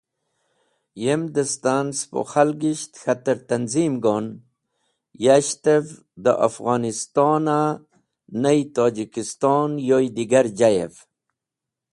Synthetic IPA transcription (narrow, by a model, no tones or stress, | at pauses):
jemd̪əst̪anspo̰xalɡiɕt̪xat̪əɾt̪anzimɡon | jaɕt̪ev | d̪ə̰ʔafɣɑːnist̪oːna | najt̪oːd͡ʑikist̪oːnjojd̪iɡaɾd͡ʒajḛv